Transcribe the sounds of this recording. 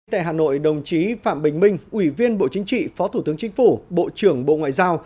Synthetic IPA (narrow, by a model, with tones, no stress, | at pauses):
t̪a̰ː˧˨jɦaː˨˩no̰˧˨jɗə˨˩wŋ͡mt͡ɕi˨˦fa̰ː˧˨mɓï˨˩ŋ̟mï˧ŋ̟ʔwi˧˩vi˧ənɓo̰˧˨t͡ɕï˨˦ŋ̟t͡ɕḭ˧˨fɔ˨˦t̪ʰu˧˩t̪ɨ˨˦əŋt͡ɕï˨˦ŋ̟fu˧˩ɓo̰˧˨t͡ɕɨ˧˩əŋɓo̰˧˨ŋwa̰ː˧˨jzaː˧w